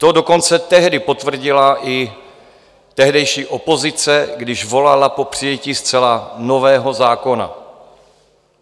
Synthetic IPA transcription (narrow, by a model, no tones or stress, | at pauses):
t̪odo̞ko̞nt͡sɛt̪ɛɦdɪpo̞t̪vr̩ɟɪlaʔɪ | t̪ɛɦdɛjʃiːʔo̞po̞zɪt͡sɛɡdɪʒvo̞lalapo̞pr̝̥ɪjɛciːst͡sɛlano̞vɛːɦo̞zaːko̞na̰